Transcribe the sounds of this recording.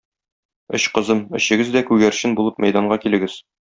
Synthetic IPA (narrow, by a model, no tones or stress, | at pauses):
ɵ̰ɕqɤ̆zɤmɘ̆ɕɘ̆ɡɘzd̪ækʉɡæɾɕɘnbulˠɤp̚mæ̰jd̪ɑɴɢɑkilɘ̆ɡɘz